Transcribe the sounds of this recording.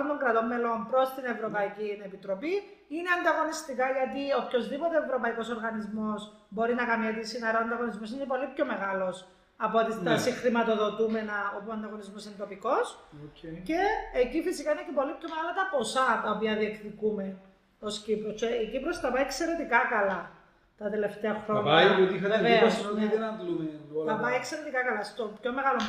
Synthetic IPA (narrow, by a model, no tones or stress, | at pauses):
ont̪o̞ŋɡɾɐt̪o̞mːe̞lo̞mpɾo̞st̪ine̞vɾo̞pɐicinepit̪ɾo̞pi | ineɐnd̪ɐɣo̞nist̪ikɐʝɐt̪iopço̞zðipo̞t̪eevɾo̞pɐiko̞so̞ɾɣɐnizmo̞s | bo̞ɾinɐkɐmɐt̪isinɐɾɐnd̪ɐɣo̞nizmo̞s̬inepo̞lipço̞me̞ɣɐlo̞s | ɐpot̪ist̪ɐsixɾimɐt̪o̞ðo̞t̪ume̞nɐopuɐnd̪ɐɣo̞nizmo̞sinet̪o̞piko̞socece̞ːcifisikɐinecepo̞lipço̞meɣɐlɐt̪ɐpo̞sɐt̪ɐopiɐðiekθikume | o̞scipɾoseicipɾost̪ɐpɐiekse̞ɾe̞t̪ikɐkɐlɐ | t̪ɐt̪e̞le̞ft̪e̞ɐxɾo̞ɲɐot̪iɐeveɐoneenɐt̪lumeɐpɐiekse̞ɾe̞t̪ikɐkɐlɐst̪opço̞me̞ɣɐlo